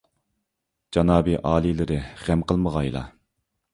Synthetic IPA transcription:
d͡ʒɑnɑːbiʔɑːlˠilɪɾɪʁæmqəlˠməʁɑjlˠɑ̰

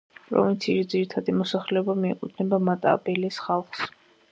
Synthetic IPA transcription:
pʼɾɔ̰vint̪sʰiisd̪ziɾit̪ʰad̪imɔsaχlɛɔbamiɛ̰qʼud̪ʰnɛbamat̪ʼa̰bɛlisχalˠχs

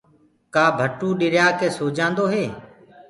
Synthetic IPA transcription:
kaːbʱəʈũːɗɪɾjaːkeːsoːd͡ʒãːnd̪oːɦeː

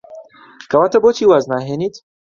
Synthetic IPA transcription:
kɐwaːt̪ɐboːt͡ʃiːwaːznaːɦeːniːt̪

